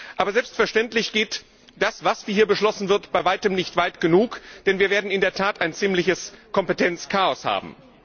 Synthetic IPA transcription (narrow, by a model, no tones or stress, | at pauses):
ʔaːbɐzɛlpstfɛɐʃtɛntlɪçɡ̥eːt | d̥asv̥asv̥iːhiːɐbəʃlɔsn̩vɪɐtb̥aɪvaɪtəmnɪçtv̥aɪtɡ̥ənuːkd̥ɛnviːɐveːɐdn̩ɪndeːɐtʰaːtaɪnt͡siːmlɪçəskʰɔmpətʰɛnt͡skʰaːɔsha̰ːbm̩